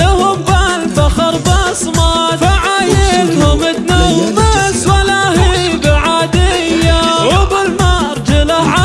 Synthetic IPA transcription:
ɪhʊmbalbaxɑɾˤbɑsˤmɑt̪faʕajɪlhʊmɪt̪nawbaswalːahiɡaʕad̪ɪjːawɪbɪlmɑɾˤd͡ʒɪlaʕa

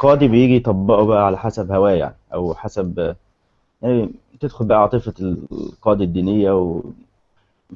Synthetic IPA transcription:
qɑːd̪ibejiːɡijt̪ˤɑbːɑʔubæʔæʕalæħasæbhæwæːja̰ʕniʔæwħasæb | jani | t̪ed̪xolbæʔæʕɑːt̪ˤefɑqɑːd̪æd̪ːiːnejːæw

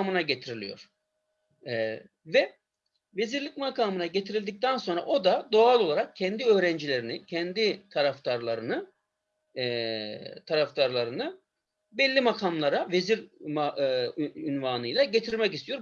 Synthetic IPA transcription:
mɯnaɟe̞t̪ʰiɾilʲḭjo̞̰ɾ̥ | vɛ | ve̞ziɾlʲicmakʰaːmɯnaɟe̞t̪ʰiɾilʲd̪ic̚t̪ʰænso̞nɾa̰ʔo̞d̪ad̪o̞alˠo̞lˠaɾak̚cʰːɛnd̪iø̞ːɾɛnd͡ʒilʲe̞ɾinicʰɛnd̪it̪ʰaɾaft̪ʰaɾlˠaɾɯnɯ | t̪ʰaɾaft̪aɾlˠaɾɯnɯ | bɛlʲːimakʰamlˠaɾave̞ziɾma | ynvanɯjlˠaɟe̞t̪ʰiɾmɛcist̪ʰyjo̞ɾ

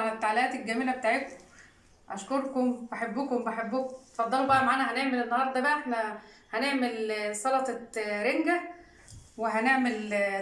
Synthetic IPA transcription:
næt̪ːaʕleʔæːt̪elɡæmelæbet̪aːʕek̪m | ʔæʃkoɾˤkombeħebːukombeħebːukt̪fɑd̪ˤːɑlubæʔæmaʕaːnæhæneʕmelenːɑhɑɾˤd̪ˤɑbæʔæeħnæ | hæneʕmelsˤɑlɑt̪ˤɑɾeŋɡæ | weɦæneʕmel

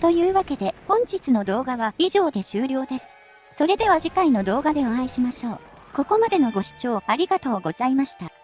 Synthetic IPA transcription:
t̪o̞jɯ̟ːβake̞d̪e̞hõ̞ɲ̟d͡ʑit͡sɨno̞d̪o̞ːɡaβaiʑo̞ːd̪e̞ɕɨːɾʲo̞ːd̪e̞sɨ̥ | so̞ɾe̞d̪e̞β̞aʑikaino̞d̪o̞ːɡad̪e̞oãiɕimaɕo̞ː | ko̞ko̞mad̪e̞no̞ɡo̞ɕi̥t͡ɕo̞ːaɾʲiɡat̪o̞ːɡo̞zaimaɕi̥t̪a

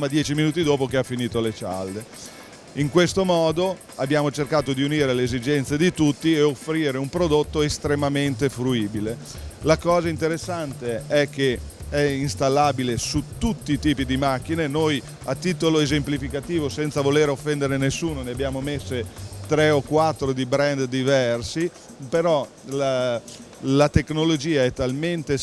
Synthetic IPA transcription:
mad̪jɛːt͡ʃiminuːt̪id̪oːpokeafːiniːt̪olet͡ʃa̰ld̪e | iŋkwest̪omɔːd̪o | abːjaːmot͡ʃerkaːt̪od̪iuniːɾeleezid͡ʒɛnt̪sed̪it̪ut̪ːieofɾiːɾeumpɾod̪ot̪ːoest̪ɾemament̪efɾuiːbile | lakɔːzaint̪eɾesːant̪eɛk̟ːeɛinst̪alːaːbilesut̪ut̪ːiːt̪iːpid̪imak̟ːinenoj | at̪ːiːt̪oloezemplifikat̪iːvosɛnt̪savoleɾofːɛnd̪eɾenesːuːnoneabjaːmomesːet̪ɾeokwat̪ːɾod̪ibɾɛnd̪d̪ivɛrsi | peɾɔ | la | lat̪eknolod͡ʒiːaɛt̪ːalment̪e

